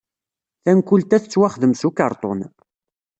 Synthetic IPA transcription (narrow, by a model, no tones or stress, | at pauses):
θænkult̪æθət͡sːwaχəðəmsukɑɾˤt̪ˤo̰n